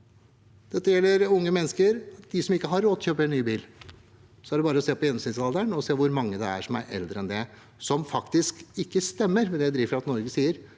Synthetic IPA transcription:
d̪̥ɛt̪ːəjɛlːəɾʊŋːəmɛnːəskəɾɑt̪d̪ɪsɔmɪkːəɦɑɾːoːt̪ɔçøːpəɾɛnːyːbiːl | sɔæɖɛbɑːɾəɔseːpɔjɛnsiːnsɑld̪æɳɔseːʋʊɾmɑŋːəd̪ɛæ̰ʂɔmæ̰ɾɛ̰ld̪ɾəɛnd̪ɛ | sɔmfɑkt̪ɪskɪkːəst̪ɛmːəɾmɛd̪ɛjæɪd̪ɾiːʋəɾɑt̪nɔɾɡəsiːəɾ

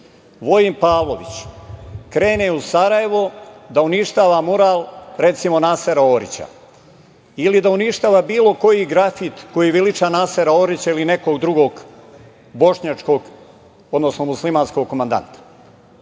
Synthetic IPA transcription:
ʋo̞impaːʋlˠoʋḭt͡ɕ | kɾe̞ːneusaɾaje̞ʋod̪auniʃt̪aːʋamuɾaːlɾe̞t̪simo̞naːseɾaoːɾḭt͡ɕa̰ | ilid̪auniʃt̪aːʋabiːlo̞ko̞jiɡɾafit̪ko̞jiʋilit͡ʃaːnaːseɾaoːɾit͡ɕailine̞ko̞ɡd̪ɾuɡo̞ːɡ | bo̞ʃɲaːt͡ʂko̞ɡ | od̪nosnomuslimaːnsko̞ɡ̚komand̪a̰nt̪ḁ

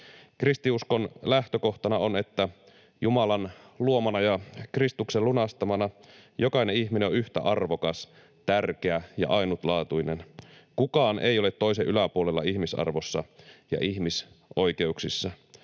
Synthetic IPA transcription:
krist̪iusko̞nlæht̪øko̞ht̪ɑnɑo̞ne̞t̪ːæ | jumɑlɑnluo̞mɑnɑjɑkrist̪ukselunɑst̪ɑmɑnɑjo̞kɑine̞içmineoyht̪æ̰ʔɑrʋo̞kɑs | t̪ærk̟eæjɑ̰ʔɑjnut̪lɑːt̪ujnenkukɑːnḛjole̞t̪ːo̞is̬eʔylæpuole̞lːɑ̰içmisɑ̰rʋo̞sːɑjɑ̰ʔiçmis | ʔo̞jke̞uksisːɑ

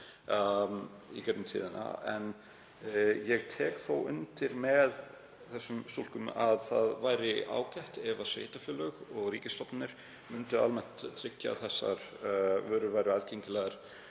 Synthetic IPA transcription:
ḭcœt̪nmt̪ʰḭːðɪna̰ɛ̰n | jɛɣt̪ʰɛːkθowʏnt̪ɪɾmɛð | θɛsːʏmst̪olkʏmaðθaðvajɾɪʔa̰ːwcajht̪ɛvasvḛːjt̪afjʏːlœɣɔɣɾiːcɪst̪ɔp̪nnɪɾ̥ | mʏnt̪ʏalmɛn̥t̪t̪ʰːɾɪcːa̰θɛsːa̰ɾ̥vœːɾʏvaːjɾʏaðcʰeɲcɪlɛɣaɾ̥

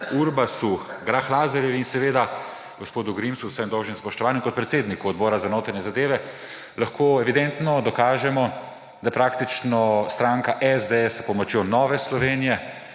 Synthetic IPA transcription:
uɾbasuɡɾaxlaːzɐɾjɛʋiinsɛʋeːd̪a | ɡɔspoːd̪uɡɾimsuwsɛmd̪ɔwʒnimspɔʃt̪ɔʋaːnjɛmkɔt̪̚pɾɛt̪seːd̪nikuɔd̪̚bɔːɾazanoːt̪aɾnɛzad̪eːʋɛ | laxkʰoːɛʋid̪ɛnt̪nɔd̪ɔkaːʒɛmɔ | d̪apɾaːkt̪it͡ʃnɔst̪ɾaŋkaʔɛzd̪eɛspɔmɔt͡ʃjonɔːʋɛslɔʋeːnijɛ

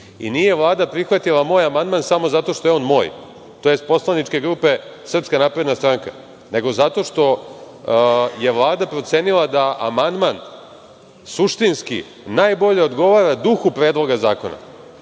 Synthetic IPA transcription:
ḭnije̞ʋlˠaːd̪apɾixʋat̪ilˠamo̞ːjamand̪mansamo̞zat̪o̞ʃt̪o̞jeo̞ːnmo̞̰ːj | t̪ojest̪̚po̞slanit͡ʃke̞ɡɾuːpe̞sr̩pskanaːpɾe̞d̪nast̪ɾaŋka̰ | ne̞ɡo̞zat̪o̞ʃt̪o̞ | je̞ʋlˠaːd̪apɾo̞t̪se̞ːnilˠad̪aʔamand̪man | suʂt̪inskḭ | naːjbo̞ʎe̞o̞d̪ɡo̞ʋaːɾad̪uxupɾeːd̪lˠo̞ɡazaːkona̰

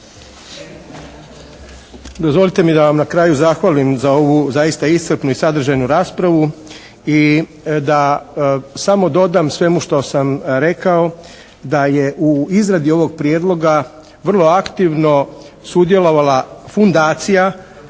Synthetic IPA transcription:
d̪ozʋo̞lˠit̪e̞mid̪aʋamnakɾaːjuzaxʋalimzao̞ʋuzajist̪aist̪r̩pnuisad̪r̩ʒajnuɾaːspɾaʋu | i | d̪a | samo̞d̪o̞d̪aːmsʋe̞muʃt̪osamɾe̞kao̞ | d̪aje̞ʔuizɾad̪io̞ʋo̞ɡ̚pɾjeːd̪lˠo̞ɡa | ʋr̩lˠo̞akt̪iʋno̞ | sud̪je̞lo̞ʋalafund̪aːt̪sija

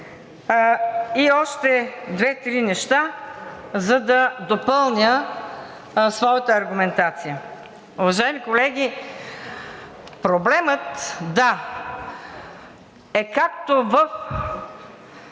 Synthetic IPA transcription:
iɔʃt̪ɛd̪vɛt̪ɾinɛʃt̪a | zɐd̪ɐd̪opɤlˠnʲə | svɔjət̪əɐɾɡʊmɛnt̪at̪sijə | ʊvɐʒaɛmikolɛɡ̟ʲi | pɾoblɛmət̪d̪a | ɛkak̚t̪ovəf

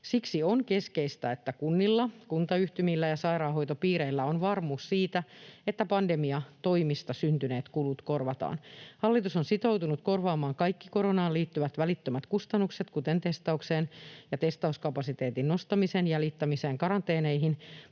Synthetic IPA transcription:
siksionke̞skeist̪æet̪ːækunːilːɑkunt̪ɑyht̪ymilːæjɑsɑiɾɑːɦoit̪opiːɾeilːæonʋɑrmuːssiːt̪æet̪ːæpɑndemiɑt̪oimist̪ɑsynt̪yneːt̪kulut̪korʋɑt̪ɑ̰ːnhɑlːit̪usonsit̪owt̪unut̪ko̞rʋɑːmɑːŋkɑjkːikoɾonɑːliːt̪ːyʋæt̪ʋælit̪ːømæt̪kust̪ɑnːukset̪kut̪ent̪est̪ɑukseːnjɑt̪est̪ɑuskɑpɑsit̪eːt̪innost̪ɑmisenjælit̪ːæmiseːŋkɑɾɑnt̪eːneiɦin

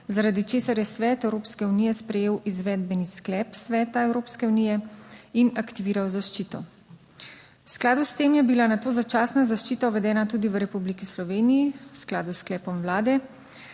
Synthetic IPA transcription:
zaɾad̪it͡ʃeːsaɾjɛsʋɛːt̪ɛwɾoːpskɛunijɛspɾɛjeːwʔizʋɛːd̪bɛnisklɛːpsʋɛːt̪aɛwɾoːpskɛunijɛinakt̪iʋiːɾawzaʃt͡ʃit̪ɔ | wsklaːd̪ust̪eːmjɛbilanat̪oːzat͡ʃaːsnazaʃt͡ʃiːt̪aʋɛd̪ɛːnat̪uːd̪iʋəɾɛpublikislɔʋeːnijiwsklaːd̪usklɛːpɔmwlaːd̪ɛ

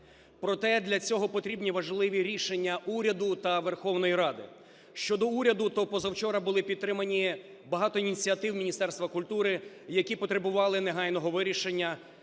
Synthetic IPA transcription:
pɾɔt̪ɛd̪lʲɐt͡sʲɔɦɔpɔt̪ɾʲibnʲiʋɐʒlˠɪʋʲiɾʲiʃenʲːɐʔuɾʲɐd̪ʊt̪ɐʋerxɔwn̪ɔjiɾɑd̪ɪ̰ | ʃt͡ʃɔd̪ɔuɾʲɐd̪ʊt̪ɔpɔzɐwt͡ʃɔɾɐbʊlˠɪpʲid̪t̪t̪ːɾɪmɐnʲi | bɐɦɑt̪ɔinʲit͡sʲiɐt̪ɪwmʲinʲist̪ɛrst̪ʋɐkʊlʲt̪uɾɪ | jɐkʲipɔt̪ɾebʊʋɑlˠɪneɦɑjnɔɦɔʋɪɾʲiʃenʲːɐ

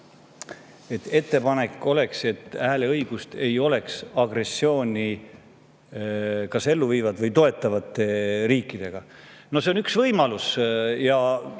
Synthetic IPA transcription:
e̞t̪ːˑe̞t̪ːe̞pɑne̞kːˑo̞le̞kse̞t̪ːˑæːleɤjɡ̥ust̪e̞jo̞le̞ksɑɡ̥re̞sːjo̞ːnʲi | kɑse̞lːuviːvɑd̪̥vɤjt̪o̞e̞t̪ːˑɑvɑt̪ːˑe̞ɾiːkːˑid̪̥e̞ɡ̥ɑ | no̞se̞o̞nyksvɤjmɑlusjɑ

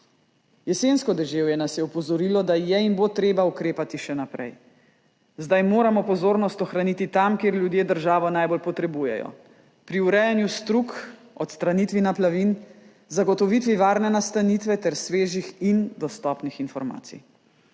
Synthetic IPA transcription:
jɛseːnskɔd̪ɛʒeːwjɛnasjɛɔpɔzɔɾiːlɔd̪ajɛinbot̪ɾeːbaukɾeːpat̪iʃɛnapɾɛ̰j | zd̪ajmoːɾamɔpɔzoːɾnɔst̪ɔxɾanit̪it̪amkeːɾljud̪jeːd̪əɾʒaːʋɔnajbolpɔt̪ɾɛbujɛ̰jɔ̰ | pɾiuɾɛjɛnjust̪ɾuk | ɔt̪st̪ɾanit̪ʋinaplaʋin | zaɡɔt̪ɔʋit̪ʋiʋaːɾnɛnast̪anit̪ʋɛt̪ɛɾsʋeːʒixind̪ɔst̪ɔːpnixinfɔɾma̰ːt̪sḭj

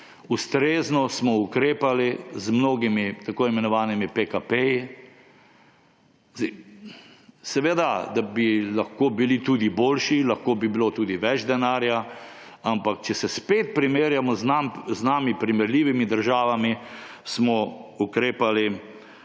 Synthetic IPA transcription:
ust̪ɾeːznɔsmɔukɾeːpalizmnoːɡimit̪akoːimɛnɔʋaːnimipekapeji | zɛ | sɛʋed̪ad̪abilaxkoːbilit̪uːd̪iboːlʃilaxkoːbibilot̪uːd̪iʋɛd͡ʒd̪ɛnaːɾja | ampakt͡ʃɛsɛspeːt̪̚pɾimeːɾjamɔznamznaːmipɾimɛɾliːʋimid̪əɾʒaːʋami | smɔukɾeːpali

